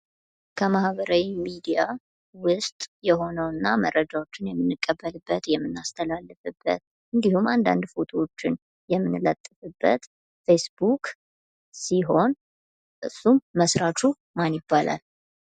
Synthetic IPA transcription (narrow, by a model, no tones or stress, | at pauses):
kʰəmahβəɾawimid̪ija | wʊst̪ʼjɛho̞nəwɨnːamərːəd͡ʒawo̞t͡ʃːɪnjɛmːɨnːɨkʼːəbːəlɨbːət̪jɛmːɨnːast̪ʰəlalːɨfɨbːə̰t̪ | ʔɨnd̪ihumand̪a̰nd̪fot̪ʰoot͡ʃːɪn | jɛmːɨnɨlət̪ʼːɨfɨbːə̰t̪ | fe̞sbukʼ | siɦo̞n | ʔɨsːumːəsɾat͡ʃu | manjɪbːalʔa̰l